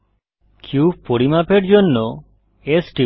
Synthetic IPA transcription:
kʰjupoɽimapeʈd͡ʒonːɔ | esʈi

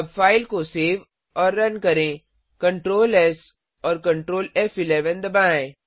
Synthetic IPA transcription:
bfaːɪlkoseːʋ | ɔːɾːɐnkɐɾẽ | kɐ̃ɳʈɾoːlɛs | ɔːɾkɐ̃ɳʈɾoːlɛfɪlɛːʋənd̪ɐbãːẽ

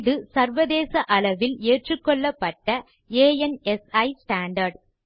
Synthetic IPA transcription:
ðɯsɐɾʋɐðeːsɐʔɐlɐʋɪleːʈrɯkːɔɭːɐpːɐʈːɐ | eːjɛnɛsɐɪsʈaːɳɖɐɾɖ

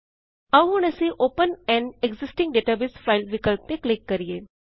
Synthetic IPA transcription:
ɐʋʊɽ̃əseʔoːpənɛ̃ːɳɖeɡzɪsʈɪ̃ŋɡɖeːʈabɪsfʰaːɪlʋɪkəlp̚t̪ẽklɪkːɐɾijeː

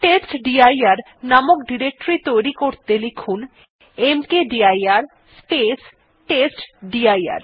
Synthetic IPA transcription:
ʈesʈɖiajaɾ | namokɖiɾek̚ʈɾit̪ojɾikoɾt̪elikʰun | emkeɖiajaɾ | spes | ʈesʈɖiaja̰ɾ

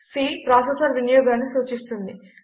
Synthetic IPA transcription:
siːpɾaːsesɐɾʋinɐjɔːɡaːnːisuːt͡ʃist̪und̪i

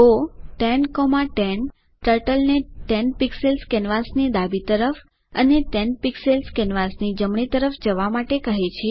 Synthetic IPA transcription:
oʈɛnkomaʈɛn | ʈəɾʈəlneʈɛnpikselskɛnʋasnid̪abit̪əɾəf | əneʈɛnpikselskɛnʋasnid͡ʒəmɳit̪əɾəfd͡ʒəʋamaʈekəɦet͡ʃʰe

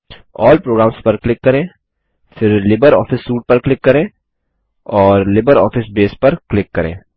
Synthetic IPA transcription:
ɔːlpɾoːɡɾaːmspɐɾklɪkːɐɾẽː | fɪɾlɪbəɾɔ̰ːfɪsːuːʈ̚pɐɾklɪkːɐɾẽː | ɔːɾlɪbəɾɔ̰ːfɪsbeːspɐɾklɪkːɐɾḛ̃ː

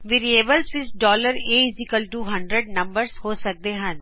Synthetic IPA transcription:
ʋiɾieːbəlzʋɪsɖɔːləɾeːzikəlʈuːɦɐ̃ɳɖɾəɖ̚nɐ̃mbəɾzhoːsɐk̚d̪eɦɛ̃n

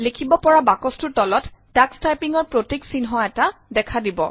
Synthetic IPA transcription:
likʰibɔpɔɹabakɔstuɹtɔlɔtdakstajpiŋɔɹpɹotiksinɦɔɛtadɛkʰadibɔ̰

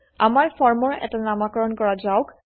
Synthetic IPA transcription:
a̰maɹfɔɹmɔɹɛ̰tanamakɔɹɔnkɔɹazawk

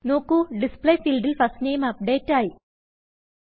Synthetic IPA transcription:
no̞ːkːuɖispɭejfiːlɖilpɐstnejmɐp̚ɖe̞ːtːaːji

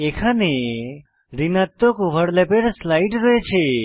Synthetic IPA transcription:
ekʰane | ɾinat̪ːokʋəɽlepeɾslaiʈɾəet͡ʃʰe

